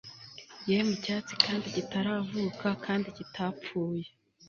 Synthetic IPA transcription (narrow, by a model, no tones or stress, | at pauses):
jemucaːt͡si̥kaːndiɟitaɾavuːkakʰaːndiɟitʰapp͡fuːje